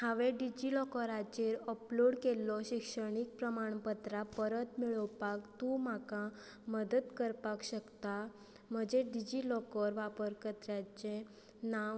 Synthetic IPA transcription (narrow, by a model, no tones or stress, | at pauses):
hãʋeɖid͡ʑilɔkəɾat͡ɕeɾɔploɽkelːɔɕikʂəɽ̃ik̚pɾəmaɳ̃pət̪ɾapəɾət̪miɭəwpakt̪ũmaka | məd̪əd̪kəɾpakɕəkt̪a | m̤əd͡ʑeɖid͡ʑilɔkəɾʋapəɾkət̪ɾjat͡ɕẽ | na